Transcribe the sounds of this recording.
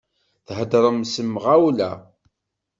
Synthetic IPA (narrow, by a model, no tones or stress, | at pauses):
θɦəd̪ɾˤəmsəmʁawlæ